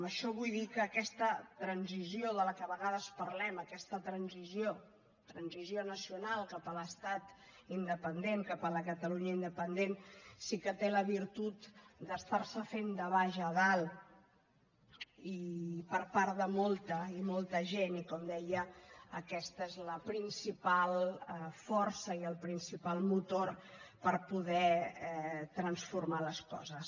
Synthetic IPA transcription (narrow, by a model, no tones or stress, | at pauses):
məʃɔβujðikəːkɛst̪ət̪ɾənzizioðələkəβəɣaðəspəɾlɛməkɛst̪ət̪ɾənzizjo | t̪ɾənzizionəsiunalˠkapələst̪at̪ | ind̪əpənd̪eŋkapələkət̪əluɲəind̪əpənd̪ensikət̪eləβiɾt̪ut̪d̪əst̪aɾsəfend̪əβaʒəːðalˠ | ipəɾpaɾðəmɔlˠt̪əimɔlˠt̪əʒenikɔmd̪ɛjəəkɛst̪əezləpɾinsipalˠəfɔɾsəiəlˠpɾinsipalˠmut̪orpəɾpuðɛɛt̪ɾənsfurmaləskɔ̰zəs